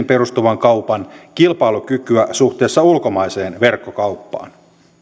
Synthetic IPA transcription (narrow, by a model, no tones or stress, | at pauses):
mperust̪uʋɑŋkɑwpɑnkilpɑilukykyæsuht̪eːsːɑulkomɑise̞ːnʋe̞rkːokɑuwpːɑ̰ːn